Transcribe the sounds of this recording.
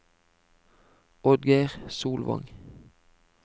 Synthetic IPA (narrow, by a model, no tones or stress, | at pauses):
ɔd̪ɡeɪʁsuːlʋɑ̰ŋ